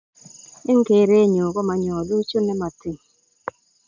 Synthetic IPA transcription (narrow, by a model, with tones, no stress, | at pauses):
e˦ŋ̩˦ke˨˦˨ɾe˦ɲo˨kɔ˦ma˨ɲɔ˨lu˦t͡ʃo˦nɛ˦ma˨ti˨ŋ˨